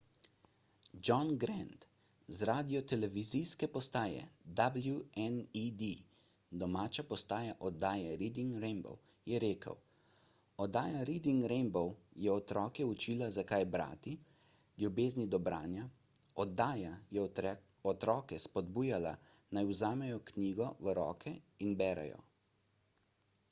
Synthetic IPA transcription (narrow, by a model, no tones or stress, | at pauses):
d͡ʒɔnɡɾɛnt̪ | zɾaːd̪ijɔt̪ɛlɛʋizijskɛpɔst̪aːjɛ̰d̪abljuɛnid̪i | d̪ɔmaːt͡ʃapɔst̪aːjaʔɔd̪aːjɛɾid̪iŋɡɾɛnbɔ̰w | jɛɾeːkə̰w | ɔd̪aːjaɾid̪iŋɡɾɛmbɔwjɛɔt̪ɾɔːkɛut͡ʃiːlazakajbɾa̰ːt̪i | ljubeːznid̪ɔbɾa̰ːnja | ɔd̪aːjajɛ | ɔt̪ɾɔːkɛspɔd̪buːjala̰najuzaːmɛjɔkniːɡɔʋəɾɔ̰ːkʰɛinbɛːɾa̰jɔ̰